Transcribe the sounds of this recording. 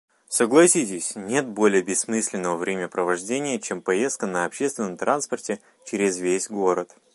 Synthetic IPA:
səɡlˠɐsʲitʲɪsʲnʲe̞t̪̚bo̞lʲɪjəbʲɪsmɨsʲlʲɪnːəvəvɾʲemʲəpɾəvɐʐdʲenʲɪjət͡ɕempɐjest̪̚kənəɐpɕest̪vʲɪnːəmt̪ɾʔanspərtʲɪ | t͡ɕɪɾʲɪzvʲesʲɡoɾət̪

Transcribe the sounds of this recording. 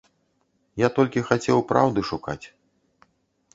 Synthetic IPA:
jat̪ɔlʲkʲixat͡sʲɛwpɾawd̪ɨʂuka̰t͡sʲ

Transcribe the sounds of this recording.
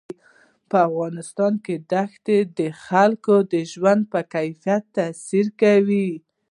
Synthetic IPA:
pəafɣɑnɪst̪ɑnked̪axt̪ed̪əxalkod̪əʒwand̪̚pəkajfijat̪ːasiɾkawi

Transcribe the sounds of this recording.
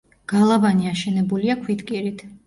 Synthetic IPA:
ɡ̥alˠabaniaʃɛnɛbuliakʰwit̪kʼiɾit̪ʰ

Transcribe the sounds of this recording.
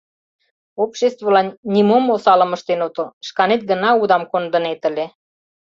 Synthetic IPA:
opʃest̪volɑnːʲimomosɑlə̆məʃt̪enot̪oʃkɑnet̪̚ɡə̆nɑud̪ɑmkond̪ə̆net̪ə̆lʲe

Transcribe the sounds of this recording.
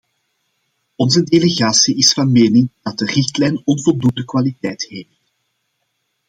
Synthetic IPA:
ɔnzədeleɣaːsiʔɪsfɑnmeːnɪŋd̥ɑt̚dərɪxtlɛjnɔnvɔlˠdundəkwaːlitɛjtheːft

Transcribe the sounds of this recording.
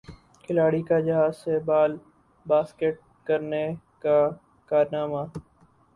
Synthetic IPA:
kʰɪlaːɽikad͡ʒɐɦaːzsebaːl | baːskeʈ̚ | kəɾne | ka | kaːɾnaːmaː

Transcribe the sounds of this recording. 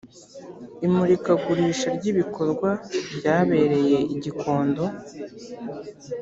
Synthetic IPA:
imuɾikaɡuɾiːʃaɾɟiβikʰo̞ɾɡwabɟaːβe̞ːɾe̞je̞iɟikʰo̞ːndo̞

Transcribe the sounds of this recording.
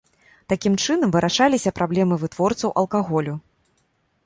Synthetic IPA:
t̪akʲimt͡ʂɨnɐmvɨɾʔaʂalʲisʲɐpɾʔablʲɛmɨvɨt̪vɔrt̪sɐwʔɐ̰lˠkaɣɔlʲu

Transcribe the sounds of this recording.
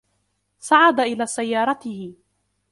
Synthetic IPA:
saʕad̪aʔɪlaːsajːɑːɾˤɑt̪ɪhɪ

